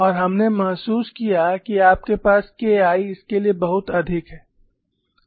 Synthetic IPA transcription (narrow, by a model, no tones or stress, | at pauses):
ɔːɾɦɐmnemɐɦsuːskijakiaːp̚kepaːskeaːiɪskeliebɐɦʊt̪ɐd̪ʱɪkɦɛː